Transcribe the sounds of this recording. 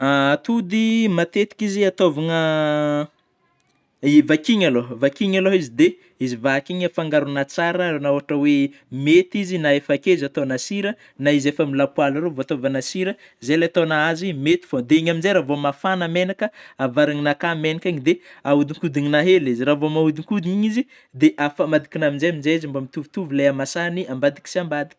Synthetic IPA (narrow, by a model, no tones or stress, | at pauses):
at̪ud̪imat̪et̪i̥kiziat̪ovaŋə | ivakiɲalovakiɲaloɦizid̪e | izivaakiɲəfaŋɡaɾunat͡saɾənaoaʈ͡ʂəwe | met̪izinaefakeizat̪onasiɾə | naizefamilapwalaɾevoat̪ovanasiɾə | zelet̪onaazimet̪i̥fod̪eiɲaminzeɾavomafanamenakəavaɾaŋinakamenakaɲid̪eaud̪iŋkud̪iɲinaɦeliziɾavomaud̪iŋkud̪iɲiɲizi | d̪eʔafamad̪i̥kinaminzejaminzeizimbamit̪uvut̪uvuleamasaniambad̪i̥ki̥siambad̪i̥k